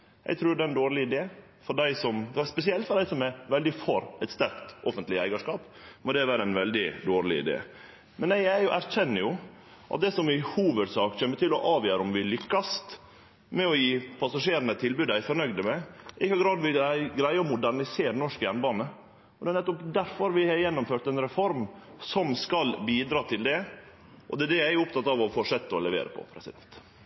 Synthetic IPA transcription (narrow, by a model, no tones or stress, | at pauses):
jɛ̰ɡt̪ʰɾʉːɾɖ̪ɛɛnd̪oːɾlɪɪd̪eː | fɔɾɖæɪsɔmspɛsɪɛlt̪fɔɾɖ̪æɪsɔmɛʋɛld̪ɪfɔɾɛt̪st̪æɾkt̪ʔɔfənt̪lɪæɪɡɑʂkɑːp | mɔd̪ɛʋæːɾəɛnʋɛld̪ɪd̪oːɾlɪ̰ɪ̰d̪ḛː | mɛnæɪæʔæɾçɛnːəjʊ | ʔɑ̰t̪̚d̪ɛsɔmɪhuːʋəɾsɑːkçɛmːət̪ʰɪlɔʔɑːʋjøːɾʊmʋɪlʏkːɑst̪ | mɛɔjiːpʰɑsɑʂeːɾənət̪ʰɪlbʉːd̪æɪfɔɾnœɡd̪əmɛʔɪkːɑɡɾɑːd̪ʋɪɡɾæɪəɔmʊd̪æɾnɪseːɾənɔʂkəjɛnbɑːnə | ɔd̪ɛːnɛt̪ːɔpd̪æɾfɔɾʋɪhɑɾjɛnːʊmføːʈ̪ɛnɾɛfɔɾmsɔmskɑlbiːd̪ɾɑːt̪ʰɪld̪ɛ | ʔɔ̰d̪ɛd̪ɛjæɪʊpt̪ʰɑt̪ːɑʋɔfoʂɛt̪ːɔlɛʋḛːɾə̰pʰɔ̰pʰɾɛsɪd̪ɛnt̪